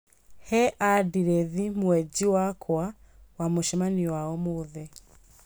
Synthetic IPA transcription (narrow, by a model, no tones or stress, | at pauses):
hɛʔadiɾɛðimwɛd͡ʑiwakʰwawamoʃɛmaniwaɔmoðɛ